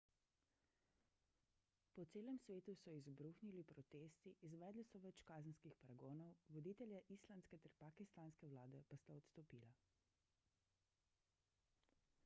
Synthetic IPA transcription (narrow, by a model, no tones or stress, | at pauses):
pɔt̪seːlɛmsʋeːt̪usɔizbɾuxnilipɾɔt̪eːst̪iʔːzʋɛːd̪lisɔʋɛt͡ʃkaːzənskixpaɾaɡoːnɔwʋɔd̪iːt̪ɛljaʔislanskɛt̪ɛɾpakist̪aːnskɛwlaːd̪ɛpast̪aɔt̪st̪ɔpiːla